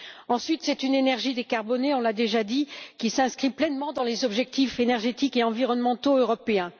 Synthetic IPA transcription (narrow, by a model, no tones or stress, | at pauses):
ɑ̃sɥit̪sɛt̪ynenɛʁʒid̪ekaʁbɔneɔ̃lad̪eʒad̪ikʲisɛ̃skχiplɛnmɑ̃d̪ɑ̃lezɔbʒɛk̚t̪ifenɛʁʒet̪ikeɑ̃viʁɔnmɑ̃t̪oøʁɔpeɛ̃